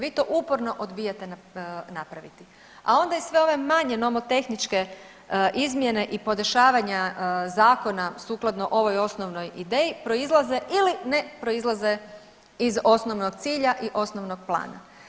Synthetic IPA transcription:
ʋiːt̪o̞ːʔupoɾno̞ʔod̪bijat̪ennapɾaʋit̪i | a̰o̞nd̪aisʋe̞oʋe̞maɲe̞no̞mot̪e̞xnit͡ʃke̞ | ʔizmje̞ne̞ʔipo̞d̪eʃaːʋaɲazaːko̞nasuːklˠad̪noʔo̞ʋo̞jo̞snoʋno̞jid̪e̞ːjipɾo̞izlˠaze̞ʔiline̞pɾo̞izlˠaze̞ | izo̞sno̞ʋnoɡ̚t̪siːʎaʔiʔo̞snoʋno̞ɡ̚plˠa̰ːna̰

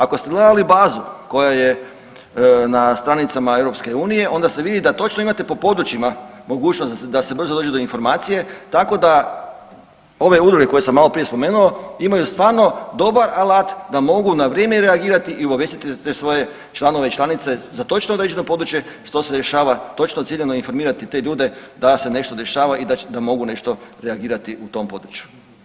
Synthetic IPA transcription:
ako̞st̪ed̪lad̪alibaːzuko̞jaje̞ | nast̪ɾanit̪samae̞ʋɾo̞pske̞uːnije̞ʔo̞nd̪ase̞ʋid̪id̪at̪o̞t͡ʃnoimat̪e̞po̞po̞d̪ɾut͡ʃima | mo̞ɡuːt͡ʃnosd̪ase̞br̩zod̪o̞ːd͡ʒed̪o̞info̞ɾmaːt̪sije̞t̪ako̞d̪a | o̞ʋe̞ud̪ɾuɡe̞ko̞je̞samːalo̞pɾije̞spo̞me̞ːnuoimajust̪ʋaːɾno̞d̪o̞baɾalat̪d̪amo̞ɡunaʋɾjeːmeɾeaɡiːɾat̪iʔiubaʋjest̪it̪it̪esʋo̞je̞ | t͡ʃlˠano̞ʋeit͡ʃlˠanit̪se̞zat̪o̞t͡ʃnood̪ɾed͡ʒeno̞po̞d̪ɾut͡ʃje̞ | ʃt̪o̞se̞d̪e̞ʃaːʋat̪o̞t͡ʃnot̪siʎenoinfo̞ɾmiːɾat̪it̪e̞ʎuːd̪e̞d̪ase̞ne̞ʃt̪o̞d̪e̞ʃaːʋaid̪ad̪amo̞ɡune̞ʃt̪o̞ɾeaɡiːɾat̪iʔut̪o̞mpo̞d̪ɾut͡ʃju̥

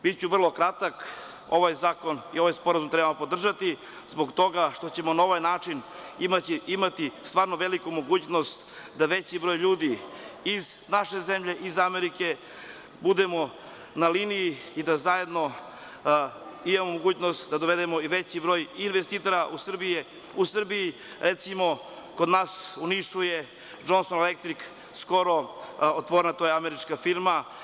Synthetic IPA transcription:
bitt͡ɕuʋrlˠo̞kɾat̪ak | o̞ʋajzaːko̞nio̞ʋajspo̞ɾazumt̪ɾebamopo̞d̪r̩ʒat̪i | zboɡt̪o̞ɡaʃt̪o̞t͡ɕe̞mo̞nao̞ʋajnaːt͡ʂinimaiimat̪ist̪ʋaːɾnoʋe̞likumo̞ɡuːt͡ɕno̞st̪ | d̪aʋe̞t͡ɕibɾo̞ːjʎuːd̪iiznaʃe̞ze̞mʎe̞ʔizameɾike̞ | bud̪emo | naliːnijiid̪azaje̞d̪no̞ | imamomoɡuːt͡ɕnost̪d̪ad̪oʋe̞d̪emo̞iʋet͡ɕibɾo̞ːjinʋest̪it̪oɾaʔusr̩bije | usr̩biji | ɾet̪simo̞ | kod̪naːsuniʃuje | d͡ʒo̞nsonelek̚t̪ɾik | sko̞ɾoot̪ʋoɾenat̪ojeameɾit͡ʃkafiɾma

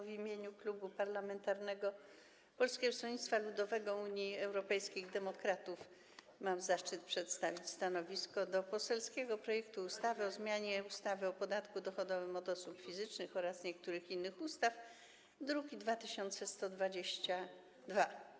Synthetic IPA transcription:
vʲimʲjeɲuklubupaɾlamɛnt̪aɾnɛɡɔ | pɔlskʲɛɡɔsɔɲit̪st̪falud̪ɔvɛɡɔuɲiɛwɾɔpɛjskʲiɣd̪ɛmɔkɾat̪uf | mamzaʂt͡ʂɘt̪̚pʂɛt̪st̪avʲit͡ɕʲst̪anɔvʲiskɔd̪ɔpɔsɛlskʲɛɡɔpɾɔjɛkt̪uːst̪avɘɔzmʲjaɲɛust̪avɘɔpɔd̪at̪kud̪ɔxɔd̪ɔvɘmɔd̪ɔsupfʲizɘt͡ʂnɘxɔɾasɲɛkt̪uɾɘxinːɘxust̪af | d̪ɾukʲid̪vat̪ɘɕɔnt̪sɛst̪ɔd̪vad͡ʑeɕt͡ɕa | d̪va

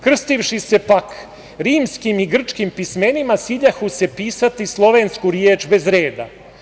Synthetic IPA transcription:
kr̩st̪ifʃise̞pak | ɾiːmskimiɡr̩t͡ʂkimpismenimasiʎaxuse̞piːsat̪islˠo̞ʋeːnskuɾjeːt͡ʃbe̞zɾeːd̪a̰

